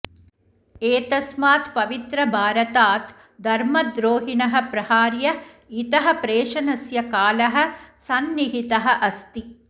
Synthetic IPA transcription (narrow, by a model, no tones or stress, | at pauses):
eːt̪ɐsmaːt̪pɐʋit̪ɾɐbʱaːɾɐt̪aːt̪ | d̪ʱɐɾmɐd̪ɾoːɦinɐɦɐ̆pɾɐhaːɾjɐ | it̪ɐɦɐpɾeːʂɐnɐsjɐkaːlɐɦɐ̆sɐnːiɦit̪ɐɦɐʔɐst̪i